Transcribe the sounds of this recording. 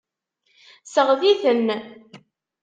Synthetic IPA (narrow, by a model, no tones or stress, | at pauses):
səʁðiθənː